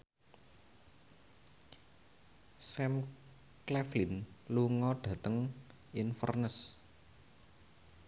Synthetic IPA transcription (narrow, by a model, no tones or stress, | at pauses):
sɛm | klɛflinluŋɔɖ̥ä̤t̪əŋ | ʔinfə̰rnəs